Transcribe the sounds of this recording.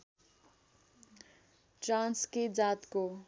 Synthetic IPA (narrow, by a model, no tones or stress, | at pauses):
ʈransked͡zat̪ko